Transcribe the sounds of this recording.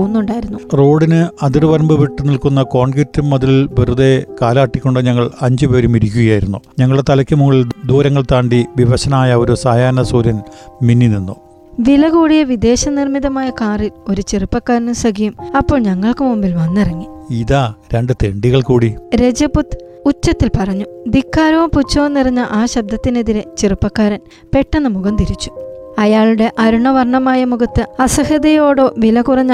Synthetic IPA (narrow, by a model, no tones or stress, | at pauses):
unːuɳɖaːjiɾunːuro̞ːɽinɨɐðirʋɐɾɐmbɨʋiʈːɨnilkunːɐko̞ːɳɡitːumːɐðililʋirud̪ekaːlaːʈːikʲːo̞ɳɖɨɲɐŋːɐɭɐɲd͡ʑupeːɾumiɾikʲːuɣɐjaːjiɾunːuɲɐŋːɐɭɽet̪ɐlɐkʲːɨmuŋɐɭild̪uːɾɐŋːɐɭt̪aːɳɖiʋiʋɐɕɐnaːjɐo̞ɾusaːjaːnɐsuːɾjɐnminːininːu | ʋilɐɣuːɽijɐʋid̪e̞ːɕɐnirmiðɐmaːjɐkaːrilo̞ɾut͡ɕerɨpːɐkːaːɾɐnumsɐɡijumɐpːo̞ːɭɲɐŋːɐɭkɨmumbilʋɐnːirɐŋːiiðaːɾeɳɖɨt̪eɳɖiɣɐɭkuːɽiɾe̞d͡ʑɐput̪ːɨ̥ | ut͡ɕːɐt̪ːilpɐrɐɲːud̪ikːaːɾɐoːput͡ɕːoːnːirɐɲːɐʔaːɕɐb̚d̪ɐt̪ːine̞ðiɾet͡ɕirɨpːɐkːaːɾɐn | pe̞ʈːenːɐmuɣɐmt̪iɾit͡ɕːu̥ɐjaːɭuɽe̞ʔɐɾuɳɐʋɐrɳɐmaːjɐmuɡɐt̪ːɨɐsɐhɐðɐjo̞ːɽo̞ːʋilɐkurɐɲːɐ